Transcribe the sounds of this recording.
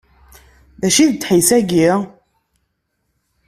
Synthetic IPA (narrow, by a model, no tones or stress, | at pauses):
ðæʃiðt͡sːħisæɡi